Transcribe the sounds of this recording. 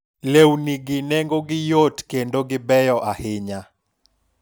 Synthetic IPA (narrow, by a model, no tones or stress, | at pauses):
lewniɡɪneŋɡoɡɪjotkendoɡɪbɛjɔʔahɪɲa